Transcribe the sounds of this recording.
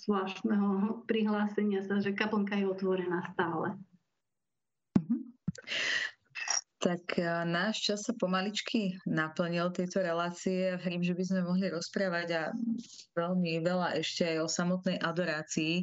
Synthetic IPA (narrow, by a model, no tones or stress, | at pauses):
zʋlaːst̪nɛɦɔpɾiɦlaːsɛɲɪasaʒɛkapl̩ŋkajɛɔt̪ʋɔɾɛnaːst̪aːlɛ | m̩ɦm̩ | t̪aknaːʃt͡ʃasːapɔmalit͡ʃkʰinapl̩ɲilt̪ɛjt̪ɔɾɛlaːt͡siɛaɦɾimʒɛbizmɛmɔɦliɾɔspɾaːʋaɟa | ʋɛlmiʋɛlaʔɛʃcɛajɔsamɔt̪nɛjʔad̪ɔɾaːt͡siː